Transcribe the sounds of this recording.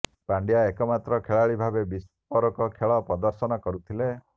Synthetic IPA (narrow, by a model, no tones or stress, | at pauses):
paɳɖjaekɔmat̪ɾɔkʰeɭaɭibʱabebis | pɔɾɔkɔkʰeɭɔpɾɔd̪ɔɾsɔnɔkɔɾut̪ʰile